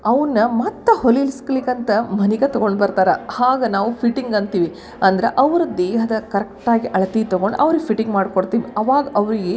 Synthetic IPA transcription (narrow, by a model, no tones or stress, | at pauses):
ɐʋɐnːɐmɐt̪ːɐholːlskɐlikːɐnt̪ɐmɐnikɐt̪ɔɡo̞ɳɖbɐɾt̪aːɾehaːɡɐnaːʋupʰiʈːiŋɡɐnt̪iːʋi | ɐnd̪ɐɾeʔɐʋɐɾɐd̪eːɦɐd̪ɐkɐɾek̚ʈaːɡiʔɐɭɐt̪it̪ɔɡoɳɖʔɐʋɾiɡepʰiʈiŋɡmaːɖkoɽt̪iːʋiɐʋaːɡɐʔɐʋɐɾiɡe